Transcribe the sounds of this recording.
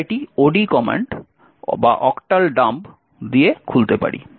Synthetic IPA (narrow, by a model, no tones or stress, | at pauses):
ʈioɖikɔmḛɳʈ | ba̰ʔɔkʈalɖamb | d̪iekʰult̪epa̰ɽḭ